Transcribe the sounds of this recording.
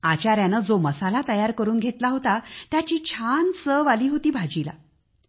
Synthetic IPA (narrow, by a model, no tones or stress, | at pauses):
at͡ɕaɾjanəd͡zoməsalat̪əjaɾkəɾuːnɡʱet̪laɦot̪at̪jat͡ɕiːt͡ɕʰansəʋaliːɦot̪iːbʱad͡ʑila̰